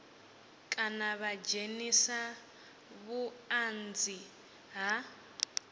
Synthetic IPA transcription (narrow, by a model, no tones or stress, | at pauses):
kʼanaβad͡ʒenisa | βuand͡zi | ɦa